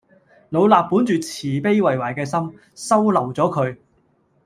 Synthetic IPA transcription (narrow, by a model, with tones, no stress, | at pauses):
lo˨˧wlaː˨pːuː˨˥nt͡ʃyː˨t͡sʰiː˨˩pe˥jwɐ˨jwaː˨˩jkɛː˧sɐ˥m | sɐ˥wlɐ˨˩wt͡sɔː˨˥kʰɵ˨˧ɥ